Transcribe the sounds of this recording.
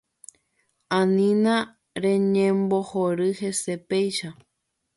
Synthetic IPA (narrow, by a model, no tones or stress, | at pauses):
ãnĩnã | ɾẽ̞ɲẽmbohoɾɨhe̞se̞pejʃa